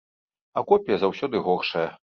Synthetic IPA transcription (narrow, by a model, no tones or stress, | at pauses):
ɐkɔpʲjɐzawsʲɔd̪ɨɣɔxʂɐjɐ